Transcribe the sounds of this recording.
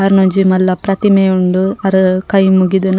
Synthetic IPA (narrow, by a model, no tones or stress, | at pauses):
ɐɾnoɲd͡ʒimɐlːɐpɾɐt̪imejuɳɖuɐɾukɐjmuɡid̪un